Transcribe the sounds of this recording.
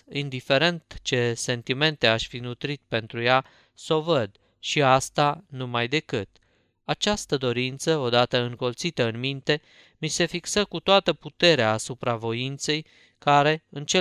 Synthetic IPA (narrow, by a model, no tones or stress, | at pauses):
ind̪ife̞ɾe̞nt̪t͡ʃe̞se̞nt̪ime̞nt̪e̞aʃʲfinut̪ɾit̪̚pe̞nt̪ɾuja | so̞vəd̪ | ʃiast̪anumajd̪e̞kɨt̪̚ | at͡ʃast̪əd̪o̞ɾint̪səo̞d̪at̪əɨŋkolt̪sit̪əɨnmint̪e̞ | mise̞fiksəkut̪oat̪əput̪e̞ɾeaːsupɾavo̞int̪se̞j | kaɾe̞ɨnt͡ʃe